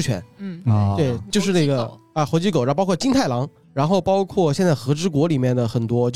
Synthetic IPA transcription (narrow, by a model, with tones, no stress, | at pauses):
t͡ɕʰɥɛ̰˧˥n˩˥˧ | we˥˩ɪt͡ɕjo˥˧ʊʂɻ̩˥˧ne˥˩ɡə˩ | ə˧xo˧˥t͡ɕi˥ko˨˩ʊ˧˥˧pɑ˥kʰɔ˥˩t͡ɕi˥ŋnt̪ʰa˥˩ɪlɑ˧˥ŋ | ɻa˧˥nxo˥˩ʊpɑ˥ʊkʰwɔ˥˩ɕjɛ˥˧nt͡sa˥˩ɪxɤ˧˥ʈ͡ʂɻ̩˥kwɔ˧˥li˨˩mjɛ˥˩nd̪ə˩xə˨˩nt̪wɔ˥t͡ɕo˥˧